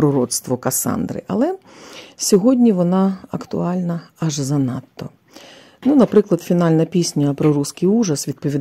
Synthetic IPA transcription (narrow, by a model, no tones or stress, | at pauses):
ɾɔɾɔt̪st̪ʋɔkɐsɑ̰nd̪ɾɪ̰ʔɐ̰lˠɛ | sʲɔɦɔdʲnʲiʋɔnɑɐkt̪ʊ̰ɑlʲnɐɐʒzɐnɑt̪ːɔ̰ | nunɐpɾɪklˠɐd̪fʲinɑlʲnɐpʲisʲnʲɐpɾɔɾuskɪjuʒɐsʋʲid̪pɔʋʲid̪